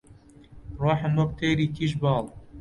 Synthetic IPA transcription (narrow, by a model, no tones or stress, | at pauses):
rɑːħɨmwɐk̚t̪ʰeːɾiːkʰiʃbɑːl